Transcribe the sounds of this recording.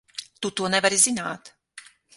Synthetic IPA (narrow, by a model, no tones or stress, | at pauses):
t̪ut̪uɔnɛvɾizinaːt̪